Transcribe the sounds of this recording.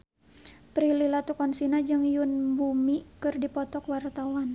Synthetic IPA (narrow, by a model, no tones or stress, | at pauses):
pɾililat̪ukɔnsinad͡ʒɨŋjunbumikɨrdipɔt̪ɔkwart̪awan